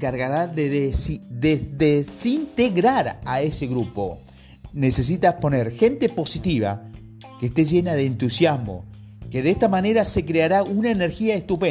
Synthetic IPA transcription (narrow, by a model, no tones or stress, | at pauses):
kaɾɣaɾaðeðesiðeðesint̪eɣɾaɾaeseɣɾupo̞̰ | nese̞s̬it̪aspo̞neɾxe̞nt̪e̞po̞sit̪iβ̞a̰ | keːst̪eʒe̞naðeːnt̪usjazmo̞̰ | keðehst̪amane̞ɾase̞kɾeaɾaunaeneɾxiaest̪upe